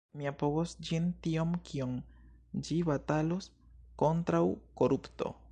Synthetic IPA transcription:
miapoɡosd͡ʒintiomkʰiond͡ʒiβatalosko̞ntɾawko̞ɾupto̞̰

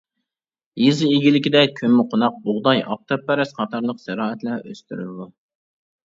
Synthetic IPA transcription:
jizɪiɡʲilɪkʲid̪ɛkʲʰømːɪqʰonɑq̚bʊʁd̪ɑjʔɑ̰p̚t̪ʰɑpːɛɾɛsqʰɑt̪ʰɑɾlˠəqsɛɾɑːɛt̪lɛʔøst̪yɾy̰lɪd̪u

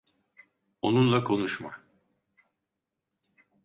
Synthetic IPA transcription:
onunlˠakʰo̞nuʃma̰

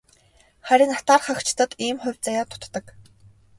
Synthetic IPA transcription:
χæɾʲɪ̆nat̪aːrχăkt͡ɕʰɪ̥t̪ə̆t̪iːmχʊ̟wʲt͡sajaːt̪ʰʊ̥t̪ːə̆k

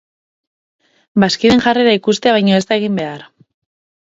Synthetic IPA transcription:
baskiðe̞ŋʝareɾaikust̪e̞aβ̞ajɲoe̞st̪aeɣ̞imbe̞aɾ

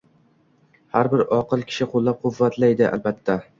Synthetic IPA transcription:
haɾbɪɾɒqɨlˠkʲʰɪ̥ʃɪqʰolːap̚qʰʊvːat̪ʰlajd̪ɪʔa̰lbat̪ʰːa

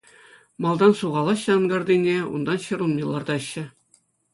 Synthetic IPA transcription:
mɑlˠd̪ɑnsuʁɑlˠɑɕːɑnɡɑrd̪ʲinʲeṵnd̪ɑnɕɤ̆ɾunmʲilˠːɑrd̪ɑɘ̆ɕːɘ̆

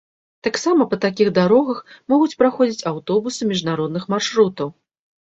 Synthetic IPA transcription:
t̪aksamɐpɐt̪akʲiɣd̪aɾɔɣɐxmɔɣut͡sʲpɾaxɔd͡zʲit͡sʲawt̪ɔbusɨmʲiʐnaɾɔd̪nɨxmarʂɾut̪ɐw

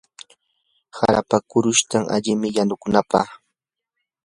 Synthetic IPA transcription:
ha̰ɾapakʊɾʊʃt̪aŋa̰ʎɪmɪjanʊkʊnapɑ̰χ

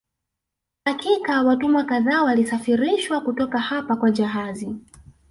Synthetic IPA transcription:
hakikawatumakaðaːwalisafiɾiʃwakutɔkahapakwad͡ʒaɦazi

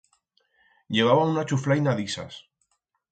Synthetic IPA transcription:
ʎe̞β̞aβaunat͡ʃuflajnaðisa̰s

